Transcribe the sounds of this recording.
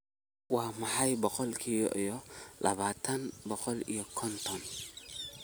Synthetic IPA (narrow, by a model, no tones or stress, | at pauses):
waːmɐħajbɔqɔlkʰijɔ̰ʔɔjɔlʔɐ̰βaːt̪ʰɐnbɔqɔlḭjɔkʰɔnt̪ʰɔn